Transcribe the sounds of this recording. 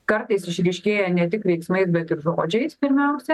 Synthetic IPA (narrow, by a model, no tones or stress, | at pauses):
kɐɾt̪ɐɪsɪʃʲɾʲiːʃʲkʲeːjɛnʲɛt̪ʲɪkʋʲɛɪksmɐɪsbʲɛt̪ɪɾʒoːd͡ʒʲɛɪspʲɪɾʲmʲɛʊsʲɛ